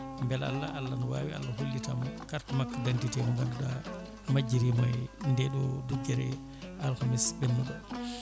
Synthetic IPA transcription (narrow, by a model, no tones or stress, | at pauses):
mbɛla̰lːaʔalːanɔwaːwia̰lːahulːitamkaɾtmakːadɛntitɛnɔŋɡanɗa | mad͡ʒːiɾimɔjndɛɗɔduɡɛɾɛ̰ | ʔalxamisbɛnːuɗɔ